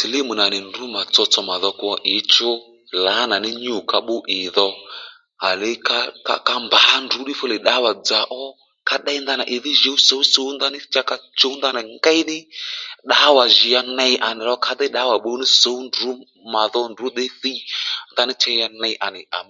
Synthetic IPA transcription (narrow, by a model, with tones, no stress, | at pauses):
si˨lɪ˦mu˨na˨nɪ˨ndu˨˦ma˨t͡sɔ˧t͡sɔ˧ma˨ðɔ˧ku˦ɔ˦ʔɪ˨˦t͡ʃʊ˦ | la˨˦na˨nɪ˦ɲu˦˨ka˧ɓʊ˦ʔɪ˨ðɔ˧ | a˨le˨˦ka˦ka̰˨ka˧mba˨˦ndu˨˦ɗɪ˦fʊ˦le˨ɗa˨˦wa˨d͡za˨ʔɔ˦ | ka˦ɗa˦i˦nda˦na˨ʔɪ˨ðɪ˦ʒe˨˦u˦so˨˦u˦so˨˦wnda˦nɪ˦t͡ʃa˦ka˦t͡ʃo˦u˦nda˦na˨ŋɡa˦i˦nɪ˦ɗa˨˦wa˨ʒi˨ja˧nɛ˧i˦ʔa˨nɪ˨lɔ˦kʰa˧d̪ɛ˦ɗa˨˦wa˨ɓo˧˦wnɪ˦so˨˦u˦ndu˨˦ | ma˨ðɔ˦ndu˦ɗ̪e˦θi˦nda˦nɪ˦t͡ʃɛ˦a˧nɛ˧˦ʔa˨nɪ˨ʔa̰˨m˦